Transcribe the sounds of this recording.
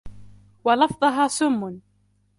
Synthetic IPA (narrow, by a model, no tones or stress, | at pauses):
wɑlɑfðˤɨɦɑːsʊmːʊn